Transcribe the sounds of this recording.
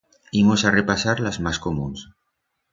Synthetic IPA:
imosarepasaɾlazmaskomũns

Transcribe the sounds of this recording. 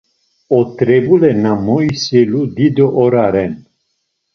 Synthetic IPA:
ɔt̪ɾɛbulɛnamɔjsɛlud̪id̪ɔʔɔɾaɾɛn

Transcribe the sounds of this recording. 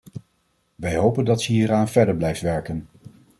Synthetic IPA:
ʋɛjɦowpəndɑtsəɦiːɾaːnvɛɹdəɹblɛjftʋɛɹkən

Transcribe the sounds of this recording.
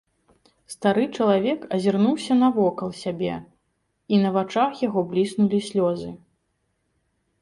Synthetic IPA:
st̪aɾɨt͡ʂɐlˠavʲɛkɐzʲirnuwsʲɐnɐvɔkɐlˠsʲabʲɛ̰ | inɐvat͡ʂaxjaɣɔblʲisnulʲisʲlʲɔzɨ

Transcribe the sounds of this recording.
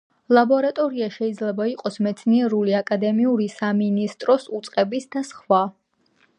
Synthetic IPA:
lˠabɔɾat̪ʼɔɾiaʃɛid̪zlɛbaiqʼɔsmɛt̪sʰniɛɾuliakʼad̪ɛmiuɾisaminist̪ʼɾɔsut̪sʼqʼɛbisd̪asχwa

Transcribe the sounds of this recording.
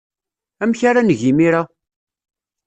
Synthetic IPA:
æmçaɾanəʝimiɾa

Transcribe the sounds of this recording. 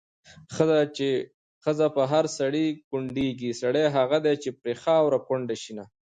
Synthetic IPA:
xəae | xəzapəɦaɾsaɽikʊɳɖeɡisaɽeɦaɣad̪et͡ʃepɾexɑwɾakʊɳɖaʃina

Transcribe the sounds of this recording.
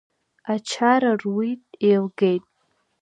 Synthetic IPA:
at͡ʃʰaɾarwitʼejlɡe̞jtʼ

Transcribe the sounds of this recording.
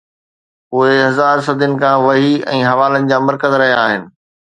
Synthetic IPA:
ʊɦeɦɐzaːɾs̬ɐd̪ʱənɪ̆kʰãːʋɐɦiɛ̰̃ːɦɐʋaːlənɪ̆d͡ʑaːmɐɾkəzɾɐɦijaːɦɪnɪ̆

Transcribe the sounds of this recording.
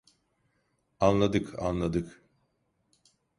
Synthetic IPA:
anlˠad̪ɯka̰nlˠad̪ɯk

